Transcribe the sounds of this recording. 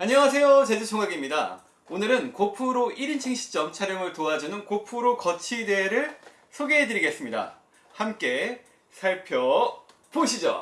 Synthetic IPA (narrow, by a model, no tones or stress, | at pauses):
aɲʌŋasʰe̞jot͡ɕed͡ʑut͡ɕʰoŋaɡimɲida̰ | onɯɾɯnkopʰuɾoʔiɾint͡ɕʰiŋɕʰi̥t͡ɕ͈ʌmt͡ɕʰaɾjʌŋɯɭtoad͡ʑunɯnkopʰuɾokʌt͡ɕʰide̞ɾɯɭ | sʰoɡeɦedɯɾiɡe̞s͈ɯmɲida̰ | hamk͈e̞ | sʰaɭpʰjʌ | poɕʰid͡ʑo̰